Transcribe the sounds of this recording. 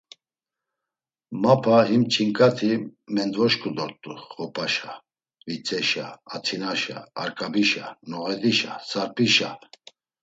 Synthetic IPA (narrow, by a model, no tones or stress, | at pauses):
mapʰaɦimt͡ʃʰiŋkʼat̪ʰimɛnd̪vɔʃkʰʼud̪ɔɾt̪ʼuχɔpʰaʃa | vit͡sʼɛʃaːt̪ʰinaʃa̰ːɾkʼabiʃa̰nɔʁɛd̪iʃasaɾpʼiʃa